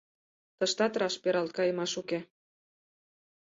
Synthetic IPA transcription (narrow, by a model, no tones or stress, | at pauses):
t̪əʃt̪ɑt̪ɾɑʃpeɾɑlt̪̚kɑjə̆mɑʃuke